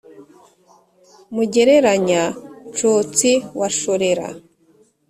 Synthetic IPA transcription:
muɟe̞ɾe̞ɾaɲat͡ʃoːt͡siwaʃoɾeɾa̰

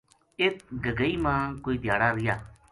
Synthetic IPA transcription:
ɪt̪ɡəɡəiːmãːkoːiːd̪ɪjaːɽaːɾɪjaː

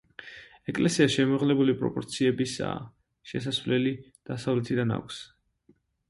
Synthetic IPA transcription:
ɛkʼlɛsiaʃɛmɔʁlɛbulipʼɾɔ̰pʼɔɾt̪sʰiɛbisa̰ | ʃɛs̬asvlɛli | d̪̥asavlɛt̪ʰid̪ana̰kʷʰs

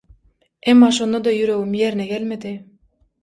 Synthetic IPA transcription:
ʔemːɑʃonːɑd̪ɑjyɾøwumjeɾnɛɡʲælmed̪ɪ

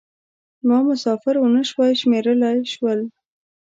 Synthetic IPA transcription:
mɑmʊsɑfɪɾwʊnəʃwɑjʃmeɾəlajʃwəl

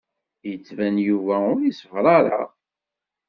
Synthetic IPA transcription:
jət͡sːvænjuvæʊɾisəvɾˤɑɾˤɑ̰

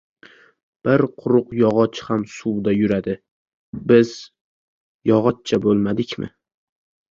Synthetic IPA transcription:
b̥ɪɾqʰʊɾʊqjɒʁɒt͡ʃhamsuwd̪ajʊɾad̪ɪ | bɪz̥ | jɒʁɒt̪̚t͡ʃʰabolˠmad̪ɪkʲmɪ̰

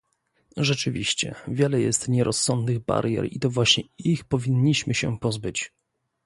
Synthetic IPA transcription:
ʐɛt͡ʂɘvʲiɕt͡ɕɛ̰vʲjɛlɛjɛst̪ɲɛɾʔɔsːɔnd̪nɘɣba̰ɾjɛ̰ɾit̪ɔvwaɕɲɛixpɔvʲiɲːiɕmɘɕɛ̰pɔzbɘt͡ɕ

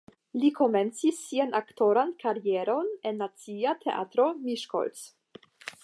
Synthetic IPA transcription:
likʰo̞me̞nt͡sisːianʔakto̞ɾankʰaɾieɾo̞ne̞nːat͡siatʰe̞̰ʔa̰tɾo̞miʃko̰lt͡s

